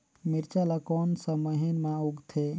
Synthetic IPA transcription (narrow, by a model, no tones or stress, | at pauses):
miɾt͡ʃalakɔnsə̃məɦinmãuɡt̪ʰe